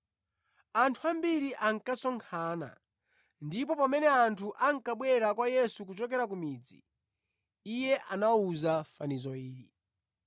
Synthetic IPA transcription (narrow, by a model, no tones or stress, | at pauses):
antʰuambiɾiʔaŋ̩kasɔŋkʰaːna̰ | ndipɔpamɛnɛantʰuʔaŋ̩kaɓwɛɾakwajɛsuk̬ut͡ʃɔk̬ɛɾak̬umiːd͡zḭ | ijɛʔanauzafanizɔiːɾi